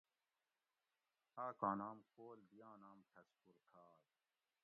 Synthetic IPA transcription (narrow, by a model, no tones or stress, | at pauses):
aːkãːnaːmkoːlb̪ijãːnaːmʈʰɐspuɾkʰaːɾ